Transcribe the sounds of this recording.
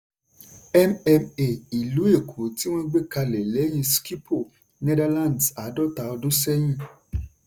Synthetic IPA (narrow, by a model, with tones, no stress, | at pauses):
ɛ˦mɛ˧me˨i˨lu˨˦e˦˨kʰo˨ti˦w̃ɔ̃˦ɡ͡be˦ka˧lɛ˨lɛ˨˦j̃ĩ˧ski˦pʰo˦˨ | nɛ˦da˧lã˦˨ndsa˨˦dɔ˦ta˧ɔ˧dũ˦sɛ˦j̃ĩ˦˨